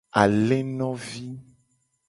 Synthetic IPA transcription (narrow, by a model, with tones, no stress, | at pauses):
a˨le˦nɔ̃˦vi˦